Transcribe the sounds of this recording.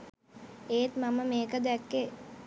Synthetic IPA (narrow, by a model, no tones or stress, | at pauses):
eːt̪maməmeːkəd̪ækːe